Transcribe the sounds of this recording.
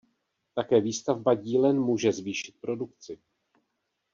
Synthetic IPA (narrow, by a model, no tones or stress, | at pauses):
t̪akɛːviːst̪avbaɟiːlɛnmuːʒɛzviːʃɪ̥t̪̚pɾo̞dukt͡sɪ